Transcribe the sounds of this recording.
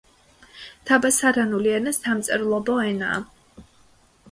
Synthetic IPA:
t̪ʰabasaɾanuliɛnast̪ʰamt̪sʼɛɾlˠɔbɔɛna̰ː

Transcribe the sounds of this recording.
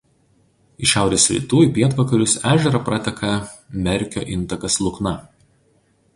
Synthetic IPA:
ɪʃʲæˑʊɾʲeːsʲɾʲḭːt̪uːiˑpʲiɛt̪ʋɐkɐɾʲʊsæːʒʲɛɾɐpɾʔɐt̪ʲɛkʰɐ | mʲɛɾʲˑkʲo̰ːʔɪnˑt̪ɐkɐslˠʊknɐ

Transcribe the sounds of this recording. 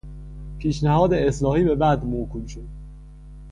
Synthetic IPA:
pʰiːʃnæhɒːd̪eeslɒːhiːbe̞bæd̪mokʰumʃod̪̥̚

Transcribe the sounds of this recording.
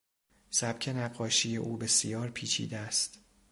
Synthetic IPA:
sæbcʰe̞næɢːɒːʃiːjeʔuːbe̞sijɒːɾpʰiːt͡ʃʰḭːd̪eæst̪

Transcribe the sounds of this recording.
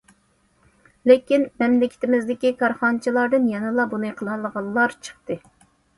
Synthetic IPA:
lɪkʲinmɛmlɪkʲʰɪ̥t̪ʰɪmɪzd̪ɪkʲikʰɑɾχɑnt͡ʃʰilˠɑɾd̪ɨnjɛnɨlˠɑbunɨqʰəlˠɑlˠəʁɑlˠːɑɾt͡ʃʰə̥χt̪ɨ

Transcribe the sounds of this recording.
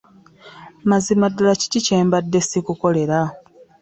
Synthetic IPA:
mazimadulaci̥cice̞ːmbadːe̞sikuko̞le̞ɾa

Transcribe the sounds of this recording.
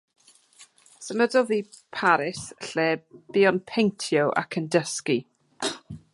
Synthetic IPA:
səmədɔðiː | pʰaɾɪsɬeːb̥iɔnpʰejntʰjɔʔa̰kʰəndəski

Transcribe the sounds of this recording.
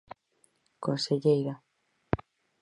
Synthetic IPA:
konseʎejɾa

